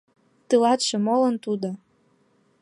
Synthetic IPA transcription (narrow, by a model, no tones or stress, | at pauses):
t̪ɨlɑt̪ʃĕmolə̆nt̪ud̪o